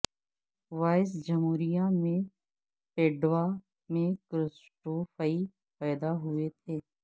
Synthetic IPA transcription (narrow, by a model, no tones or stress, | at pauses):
ʋaːɪs̬d͡ʒəmuːɾijãmẽ | peːɖʋa | mẽkɾɪsʈoːfaːi | pɛːd̪aɦʊet̪ʰeː